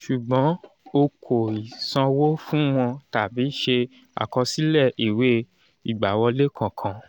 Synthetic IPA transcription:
ʃu˨ɡ͡bɔ̃˨˦ | o˧kʰo˨i˨sã˧wo˦fũ˦m̃ɔ̃˧ta˨bi˨˦ʃe˧ | a̰˨kɔ˧si˦lɛ˦˨i˨we˦ | i˨ɡ͡ba˨wɔ˧le˦kʰã˨kʰã˧

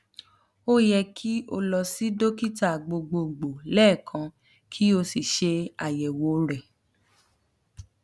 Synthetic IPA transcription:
o˦jɛ˧kʰi˦o̰˧lɔ˧si˦do˦ki˦ta˦˨ɡ͡bo˧ɡ͡bo˧˨ɡ͡bo˨lɛː˦˨kʰã˧ | kʰi˦o˧si˨ʃe˧a˨jɛ˨wo˨˦ɾɛ˨

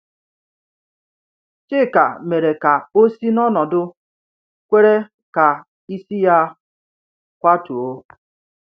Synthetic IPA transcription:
t͡ʃɪ˦˨ka̰˨me˨ɾe˨ka˨o˦si˦nɔ˦nɔ˨dʊ˦ | kʷe˦ɾe˦ | ka˨ | i˦si˦ja˦ | kʷa˦tu˨o˦

